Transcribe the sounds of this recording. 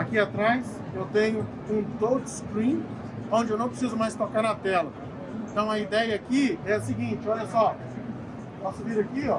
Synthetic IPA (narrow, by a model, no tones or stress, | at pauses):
akiat̪ɾajs | ewt̪ẽɲʊ | ũt̪owd͡ʒskɾĩ | õd͡ʒɪewnɐ̃w̃pɾesizʊmajst̪okaɾnɐt̪ɛlɐ | ẽt̪ɐ̃w̃ɐid̪ɛjɐakiɛɐsiɡĩt͡ʃɪɔʎɐsɔ | pɔsʊviɾakiɔ